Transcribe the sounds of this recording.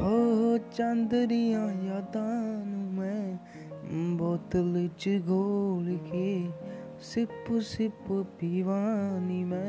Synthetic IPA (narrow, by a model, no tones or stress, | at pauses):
oːt͡ʃənd̪ɾiãːjaːd̪ãːnũmɛ̃ː | bɔːt̪lət͡ʃɡʱoːlke | sɪpsɪppiːʋaːnimɛ̃